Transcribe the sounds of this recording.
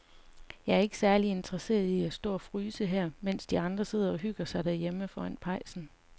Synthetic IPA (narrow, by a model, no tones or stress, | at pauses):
jɑ̈æɐe̝ɡ̥ə̥sæɐlie̝nd̥ʰʁɐse̝̰ːɐðˠiæsd̥ɔ̰ːɒfʁyːsəɦæɐ̰men̰sd̥iɑ̈nd̥ʁɐse̝ð̰ˠɐɒ̽ɦyɡ̥ɐsɑ̈ɪd̥æɐjeməfɒæn̰pʰɑ̈ɪsn̩